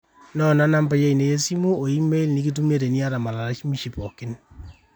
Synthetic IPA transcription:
nɔ˦˨na˦na˦mpa˦je˦i˨ne˨je˦si˦mu˦o˨i˦me˦i˦lni˦ki˦t̬u˦me˦ɾe˨ni˦a˦ɾa˨ma˨la˨ɾa˦t͡ʃmi˦ʃi˨pɔ˨kɪ˦n

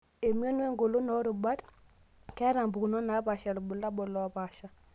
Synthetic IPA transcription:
e˨m˦o˦nwe˦ŋɡo˨lo˦nɔ˦ɾu˨ba˦t | kɛ˦ɾa˨mbu˨ku˨no˦na˨˦pa˨ʃa˨lbu˨la˦bɔ˨lɔ˨˦pa˨ʃa˦

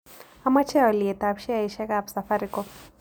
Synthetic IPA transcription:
a˦ma˦t͡ʃʰɛ˦ɔ˨li˨ɛ˨t̪apʃi˦a˦˨i˨ʃɛ˦kabsa˨faɾikɔ˦

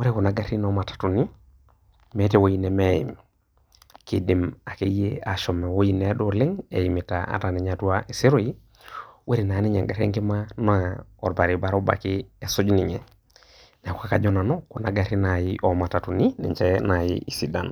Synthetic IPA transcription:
we˦ɾi˦ku˨na˨ɡa˦ɾi˦nɔma˨tḁtu˨ni˦ | me˦te˦wo˦ji˦nɛ˨mejḭ˨m | ki˨di˨ma˨ke˦je˦a˨ʃɔ˨me˨wo˦ji˦nɛ˦ɗo˦le˦ŋe˨jimi˨taa̰˨ta˨ni˨ɲa˨tu˦aʔe˨se˦ɾo˦i˦ | wʔe˦ɾi˨na˨˦ni˦ɲa̰˨ŋɡa˨ɾḛ˦ŋki˦mano˦ɔ˨ɾba˨ɾi˨ba˦ɾo˦ba̰˨ki˦e˨su˦d͡ʒni˨ɲɛ˨ | na˨kuka˦ka˨d͡ʒo˦na˨nɔ˦ku˨na˨ɡa˦ɾi˦najiʔɔ˨ma˨ta˨tu˨ni˦nɛ̰˨ɲt͡ʃɛ˦na˨jḭi˨si˨da̰˨n

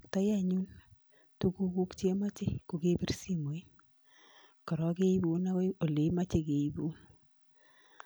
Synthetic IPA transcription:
ta˦ja˦ɲu˦n | tu˦ku˦ku˦kt͡ʃe˦ma˦t͡ʃe˦ku˨ke˦pi˦rsi˦mo˨i˦n | kɔ˨ɾɔ˨ke˦i˦bu˨na˦we˦o˨le˨˦ma˦t͡ʃe˦ke˨i˦bu˦n

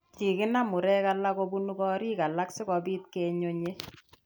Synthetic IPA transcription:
t͡ʃi˨kɪ˦na˦mʊ˨ɾɛ˦ka˦la˦ko˦bu˦nu˦kɔ˦ɾi˦ka˨la˦ksɪ˦kɔ˨bi˦t̪̚ke˦ɲo˦ɲe˦

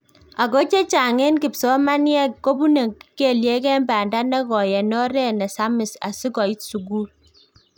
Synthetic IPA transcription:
a˨ko˦t͡ʃe˦t͡ʃa˨ŋe˦nki˨psɔ˦ma˦n˦ɛ˦ko˦bu˦ne˨ki˦ke˦˨lje˦kɛ˦mba˨nda˦nɛ˦ɣɔ˨jɛ˨nɔ˦ɾɛ˦nɛ˨sa˦mi˨sa̰˨si˦kɔ˨i˦tsu˨ɡu˦l

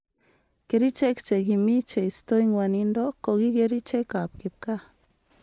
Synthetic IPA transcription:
ke˨ɾi˦t͡ʃe˦kt͡ʃe˨ɡi˨mi˦t͡ʃe˨ist̪o˦iŋwa˨nindo˦ko˨ɡi˦ɡe˧ɾi˦t͡ʃe˦ka˨p̚ke˨p̚ka˦

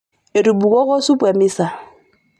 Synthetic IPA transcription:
e˨ɾu˨bu˨kɔ˦kɔ˦su˦pe˨mi˦sa˨

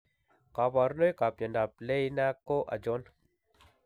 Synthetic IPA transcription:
ka˨ba˨ɾno˦jka˨pja˨nda˨ple˦i˦na˦ko˦ʔa̰˨d͡ʒo˦n

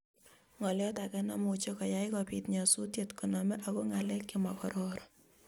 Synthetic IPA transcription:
ŋɔ˨ljɔ˦takɛna˨mʊt͡ʃe˦kɔ˨jaɪkɔpitɲɔ˨su˦tje˨tku˨nɔ˨mɛ˦ʔa˨ko˦ŋa˨lɛ˦kːɪma˨kɔɾɔɾɔ

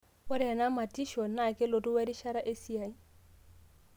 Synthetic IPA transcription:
ʊ˦ɾɪ˦a˨na˦ma˨tʼi˦ʃɔ˨na˨kɪ˦lo˨tʊ˦wɛ˦di˦ʃa˦ɾa˦ʔe˦si˦a˨i˦

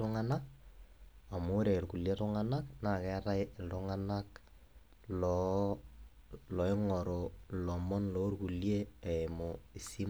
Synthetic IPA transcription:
tʊŋa˦na˦k̚ | a˨mʊ˦ɾe˨ɾku˨lje˦tʊ˦ŋa˦na˦kna˨kɛ˦ta˦ɪ˨ldʊ˦ŋa˦na˦k | lɔ | lɔ˨ɪ˦ŋɔ˨ɾo˨lɔ˨mɔ˦nlɔ˦ɾku˨lje˦e˨ɪmo˨i˨si˦

